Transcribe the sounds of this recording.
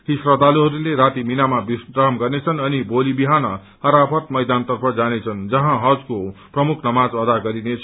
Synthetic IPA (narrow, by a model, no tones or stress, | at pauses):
ɦisrʌd̪aluɦʌɾuleɾat̪iminamabisɡrʌɦʌmɡʌrnet͡sʰʌnʌnibolibiɦanʌ | hʌɾapʰʌt̪mʌjd̪ant̪ʌrpʰʌd͡zanet͡sʰʌnd͡zʌɦãɦʌd͡zkoprʌmukʰnʌmad͡zwad̪aɡʌɾinet͡sʰ